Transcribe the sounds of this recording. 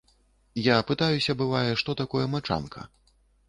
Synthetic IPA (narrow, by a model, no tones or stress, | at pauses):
japɨt̪ajusʲɐbɨvajɛʂt̪ɔt̪akɔjɛmat͡ʂa̰nkʰɐ̰